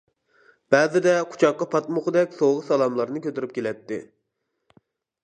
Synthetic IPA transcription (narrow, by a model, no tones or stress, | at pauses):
b̥ɛːzɪd̪ɛqʰu̥t͡ʃʰɑqːɑpʰɑt̪mʊχʊd̪ɛkʲsoʁəsɑlˠɑmlˠɑɾnɨkʲʰøt̪ɪɾyp̚kʲelɛt̪ːɪ